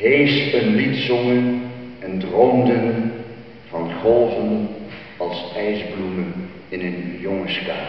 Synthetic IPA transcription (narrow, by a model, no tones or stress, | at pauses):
ɦejsənlitsɔŋənɛndromdən | v̥ɑnχɔlˠvən | ɑlˠsɛjzblumən | ɪnənjɔŋəskaː